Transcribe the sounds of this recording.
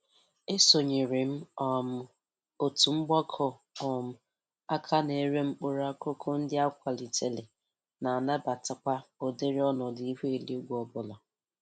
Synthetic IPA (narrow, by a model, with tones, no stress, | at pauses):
e˦so˨ɲe˨ɾɪ˨m̩˦ɔ˨m̩˨ | o˨tu˨ŋ͡m̩˦ɡ͡bɔ˦kʰɔ˦ | ɔ˨m̩˨ | a˦kʰa˦ne˨˦ɾe˦ŋ͡m̩˦k͡pʊ˦ɾa˦ko˦kʰo˦n̩˦dɪ˦a˦kʷa˨li˨tʰe˨le˨ | na˨a˨na˦ba˨ta˨kʷa˦o˨de˦ɾɪ˦ɔ˦nɔ˨dɪ˨˦i˦ɦe˦e˨li˦o˦ɡʷɔ˨bʊ˨la˨